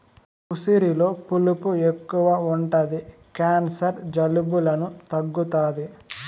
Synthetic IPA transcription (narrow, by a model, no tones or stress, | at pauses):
kusiɾilo̞ːpulupuekːuʋaːuɳʈɐd̪i | kaːnsɐɾd͡ʒɐlubulɐnut̪ɐɡːut̪aːd̪i